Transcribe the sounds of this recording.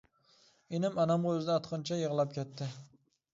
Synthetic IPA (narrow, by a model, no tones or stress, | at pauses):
enɪmɑnamʁɑɵzɪd̪aːt̪qʰɨnt͡ʃʰajɨʁlˠap̚kʲʰet̪ʰːɪ